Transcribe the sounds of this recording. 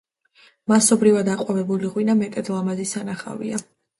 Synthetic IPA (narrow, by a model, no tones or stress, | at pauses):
masɔbɾivad̪aqʼwavɛbuliʁwinamɛt̪ʼɛd̪lˠamazisanaχa̰vḭa